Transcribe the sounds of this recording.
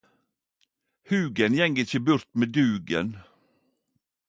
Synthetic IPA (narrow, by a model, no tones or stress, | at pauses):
hʉːɡənjɛŋɡəɪçəbʉɾt̪meːd̪ʉːɡə̰n